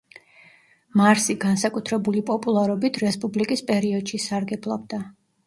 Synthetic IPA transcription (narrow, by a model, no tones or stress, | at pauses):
maɾsiɡansakʼut̪ʰɾɛbulipʼɔpʼulˠaɾɔbit̪ʰɾɛspʼublikʼispʼɛɾiɔd̪̥ʃisaɾɡɛblˠabd̪a